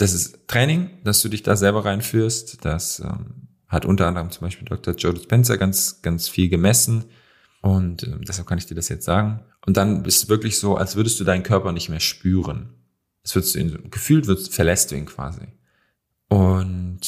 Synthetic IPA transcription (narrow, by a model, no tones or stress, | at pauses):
d̥as̬ɪsttʁ̥ɛːnɪŋd̥asd̥uːdɪçd̥aːzɛlbɐʁaɪnfyːɐstd̥asʔɛ̰ːm | hatʔʊ̰ntɐʔandəʁ̞əmt͡sʊmbaɪʃpiːldɔk̚tʰɐd͡ʒodspʰɛnt͡sɐɡant͡sɡ̥ansfiːlɡəmɛsn̩ | ʔʊntʔɛ̰ːmdɛshalp̚kʰanɪçd̥iːɐdasjɛt͡stz̥aːɡŋ̩ʔʊnt̚d̥anbɪstuːv̥ɪɐklɪçz̥oːʔa̰lsv̥ʏɐdəstd̥uːdaɪnənkʰœɐpɐnɪçtmeːɐʃpyːʁən | ʔalsv̥ɪɐdəstd̥uːḭːnzːɡ̥əfyːltv̥ɪdfɛɐlɛst̚d̥uːiːnkv̥a̰ːzḭ | ʔʊnt